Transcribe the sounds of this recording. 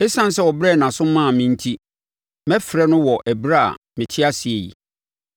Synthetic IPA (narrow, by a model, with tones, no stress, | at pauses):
ɛ˦sã˦n̩˦sɛ˦wɔ˨bɾɛ˦˨nã˨sʊ̃˦mã˦˨mɪ̃˦n̩˦tʰi˦ | mɛ˦fɾɛ˦nʊ̃˦wɔ˨ʔæ˨bɾa˦a̰˨ | mɪ̃˨tʰɪ˦a˦si˨e˨jḭ˨